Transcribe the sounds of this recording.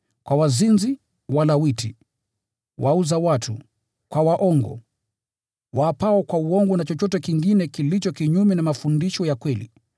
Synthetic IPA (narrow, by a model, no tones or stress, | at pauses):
kwawazinzi | walawitʰi | wʔauzawatʰṵ | kwawaʔɔŋɡɔ̰ | waːpaɔkwauɔŋɡɔnat͡ʃɔt͡ʃɔtɛkiŋɡinɛkilit͡ʃɔkiɲumɛnamafundiʃɔjakwɛlḭ